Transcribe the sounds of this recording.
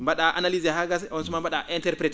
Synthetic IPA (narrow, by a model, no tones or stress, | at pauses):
mbaɗaʔanalizɛhaɡasɔnsumambaɗaʔɛntɛɾpɾɛt